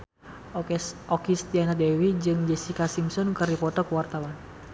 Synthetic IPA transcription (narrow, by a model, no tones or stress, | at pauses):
ʔɔkist̪ianadɛwid͡ʒɨŋd͡ʒɛsikasimsɔnkərdipɔt̪ɔkuwart̪awan